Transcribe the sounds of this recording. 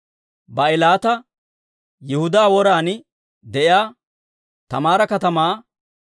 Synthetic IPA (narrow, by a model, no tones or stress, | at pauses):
bɐɪlaːt̪ɐ | jɪhʊd̪aːwɔɾaːnɪ | d̪ɛʔɪaː | t̪ɐ̰maːɾɐkɐt̪ɐmaː